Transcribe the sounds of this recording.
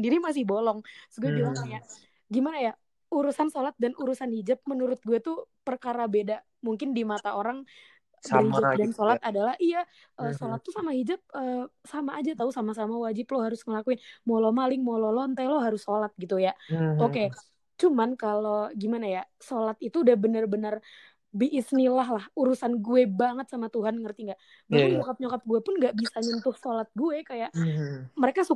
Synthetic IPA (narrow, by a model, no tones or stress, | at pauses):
əndiɾimas̬ɪhbolɔŋssɡuabilaŋaja | ɡimanaja | uɾusansolat̪̚danʔuɾusanhid͡ʒap̚mənuɾʊt̪̚ɡuat̪upərkaɾabeda | muŋkɪndimat̪aoɾaŋ | bəhid͡ʒadansolat̪adalahija | ʔəsolat̪ːusamaɦid͡ʒap̚əːsamaːd͡ʒat̪ausamasamawad͡ʒɪploɦaɾʊsŋəlakuɪnmolomalɪŋmololɔnt̪eloɦaɾʊsːolat̪̚ɡit̪ujaoke | t͡ʃumankaloɡimanajasolat̪it̪uːdahbənərbənər | biʔːsnilaɦlahuɾusanɡuɛbaŋət̪̚samat̪uɦanŋərt̪iŋɡaʔ | baɲokap̚ɲokap̚ɡuepʊnŋɡaʔbisaɲənt̪ʊhsolat̪̚ɡuɛkajaʔməɾekasu